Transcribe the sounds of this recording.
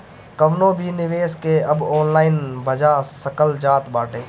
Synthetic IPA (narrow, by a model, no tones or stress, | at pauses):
kəʋnobʱinɪʋeːskeɐbɔːnlaːɪnbʱəd͡ʒasəkəld͡ʒaːt̪baːʈʰẽː